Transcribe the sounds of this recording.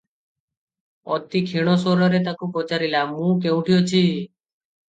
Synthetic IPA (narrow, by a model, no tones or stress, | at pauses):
ɔt̪ikʰiɽ̃ɔsɔɾɔɾet̪akupɔt͡ʃaɾilamũk̬ew̃ʈʰijot͡ʃʰi